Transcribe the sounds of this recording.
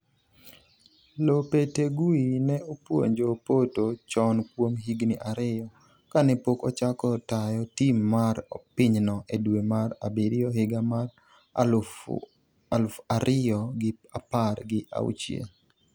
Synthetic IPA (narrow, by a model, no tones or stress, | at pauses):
lopeteɡuinɛopwo̰ɲd͡ʒopotot͡ʃɔnkwomɦiɡniʔaɾɪjɔ | kanɛpokɔt͡ʃakɔtajɔtimːaɾɔpɪɲnɔʔedwemaɾabɪɾɪɔhɪɡamar | alʊfaɾʔɪɔɡɪaparɡɪʔa̰ṵt͡ʃjḛ